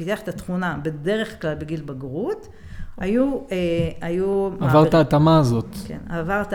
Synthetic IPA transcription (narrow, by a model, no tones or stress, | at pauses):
it̪iaχet̪at̪χunabe̞de̞ʁeχklalbeɡilbaɡʁut̪ | ajueajuavaʁaːt̪amaːzo̞t̪kḛnavaʁt̪